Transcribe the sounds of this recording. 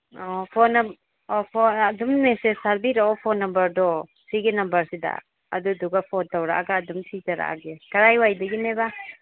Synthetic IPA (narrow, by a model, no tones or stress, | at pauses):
ɔpʰɔn | ɔpʰɔɐdummesesaɾbiɾaɔpʰɔnːɐmbɐɾdɔ | siɡinɐmbɐɾsida̰ | ɐ̰duduɡapʰɔntawɾa̰ʔaɡaːdumtʰizaɾa̰ʔa̰ɡekɐɾajwajdɐɡineba